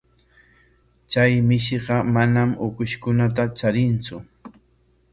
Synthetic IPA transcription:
t͡ʃajmɪʃ̬eɢɑmanamʊkʊʃkʊnat̪̬at͡ʃaɾɪnt͡sʊ

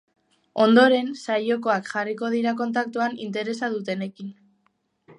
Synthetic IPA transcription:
o̞nd̪o̞ɾe̞nsajo̞ko̞akʝariko̞ð̞iɾako̞nt̪ak̚t̪uanḭnt̪e̞ɾe̞saðut̪e̞ne̞kin

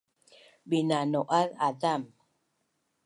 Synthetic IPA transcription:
binanoʔaladam

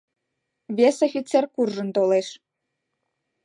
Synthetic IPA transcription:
βʲesafʲit͡serkurʒɤ̆nt̪oleʃ

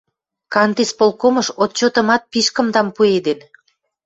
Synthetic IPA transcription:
kɑnt̪ispolkoməʃot̪̚t͡ɕot̪ə̆mɑt̪̚piʃkə̆md̪ɑmpued̪en

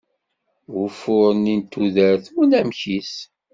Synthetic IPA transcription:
wʊfʊɾənint̪ːuðəɾθunæmçis

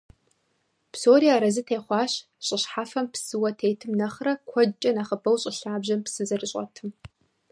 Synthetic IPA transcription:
psoːɾiːaːɾɐzɨtʰeːχʷɑːɕ | ɕʼɪɕħaːfɐmpsɨwɐtʰeːtʰɨmnɐχrɐkʷʰɔt͡ʃʼɐnaːχɐbɐwɕʼɪɬaːbʑɐmpsɨzɐrɨɕʼɐ̰tʰɨm

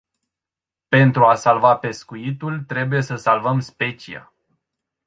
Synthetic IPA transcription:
pe̞nt̪ɾuasalvape̞skuit̪ult̪ɾe̞buje̞səsalvəmspe̞t͡ʃia̰

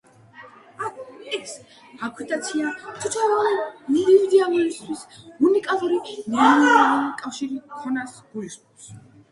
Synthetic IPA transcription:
aɛks | akʰwit̪ʼat̪sʰiat̪ʰut̪ʰaliid̪ivid̪ialɔlist̪ʰwisunikʼalˠuɾinɛnɔɾalulikʼafʃiɾikʰɔnasɡ̥uiskʼɔs

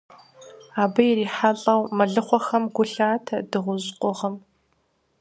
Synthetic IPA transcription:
aːbɐjɪriːħaɬʼɐwmɐɮɨχʷɔxɐmɡʷʊɬaːtʰɐdɨʁʷʊʑqʷʼʊʁɐm

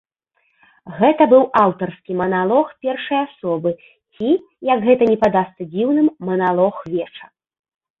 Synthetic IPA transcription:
ɣɛt̪ɐbɨwawt̪ɐrskʲimɐnalˠɔxpʲɛrʂɐjasɔbɨ | t͡sʲi | jɐɡɣɛt̪ɐnʲɛpad̪ast̪sɐd͡zʲiwnɨmːɐnalˠɔxvʲɛt͡ʂɐ

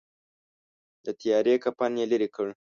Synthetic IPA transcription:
d̪ət̪ijɑɾekampanjeləɾikəɽ

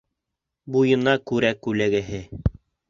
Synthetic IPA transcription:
bujɤ̆nɑkʉɾækʉlæɡæɦɘ

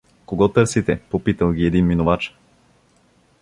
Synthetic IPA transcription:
koɡɔt̪ɤɾsit̪ɛpopit̪əlˠɡʲiɛd̪inminovat͡ʃ

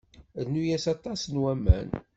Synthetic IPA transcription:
ðnujæsɑt̪ˤɑsnwæmːæ̰n

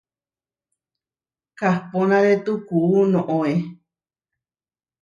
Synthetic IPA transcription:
kahponãɾet̪ukuːnõʔoe

